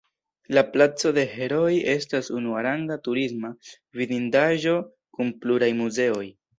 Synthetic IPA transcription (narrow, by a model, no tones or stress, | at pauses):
laplat͡so̞de̞he̞ɾo̞je̞stasunuaɾaŋɡatuɾisma | vidindaʒo̞ | kunpluɾajmuze̞o̞j